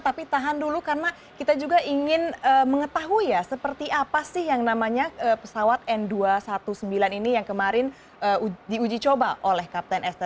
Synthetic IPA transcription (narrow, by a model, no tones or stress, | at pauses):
t̪apit̪aɦandulukarəna | kit̪ad͡ʒuɡaiŋɪnəməŋət̪aɦuijasəpərt̪iapasɪhjaŋnamaɲaəːpəsawat̪̚ɛnduasat̪usəmbilaninijaŋkəmaɾɪn | ʔəːudiud͡ʒit͡ʃobaʔolɛhkap̚t̪ɛnʔɛst̪ə